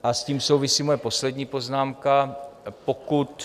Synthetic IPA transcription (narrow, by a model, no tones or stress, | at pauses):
ʔasciːmso̞wvɪsiːmojɛpo̞slɛdɲiːpo̞znaːmkapokut̪